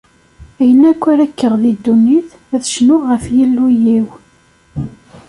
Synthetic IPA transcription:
æjənækʷːæɾækːəʁðid̪ːunːiθ | æðʃnʊʁəfjilːujiw

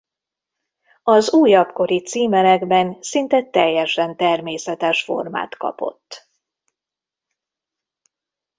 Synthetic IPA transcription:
ɒzuːjɒpko̞ɾit̪siːmɛlɛɡbɛnsint̪ɛt̪ɛjːɛʃɛnt̪ɛrmeːsɛt̪ɛʃfo̞̰rma̰ːt̪kɒ̰po̞̰t̪ː

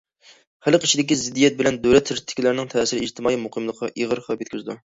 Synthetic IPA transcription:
χælˠəqit͡ʃʰid̪ɪkʲizɪd̪ːijɛt̪̚bɪlɛnd̪øwlɛt̪ʰːɪɾt̪ʰːɪ̥kʲilæɾnɪŋt̪ʰɛːsɪɾɪiʒt̪ʰɪmɑːimuqʰəmlˠəqʰːɑʔiʁəɾχɑpjɛt̪̚ʲkʲyzɪd̪u

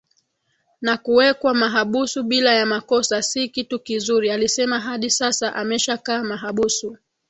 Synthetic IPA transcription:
nakuwɛkwamaɦaɓusuɓilajamakɔsasikitukizuɾialisɛmaɦaɗisasaʔamɛʃakaːmaɦaɓusu

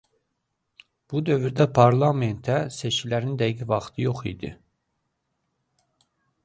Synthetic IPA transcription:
b̥ud̪ø̞vyɾd̪æpʰɑɾlˠɑme̞nt̪ʰæse̞t͡ʃcʲʰilæɾind̪æjiɡivɑχt̪ʰɯjo̞χḭd̪ḭ

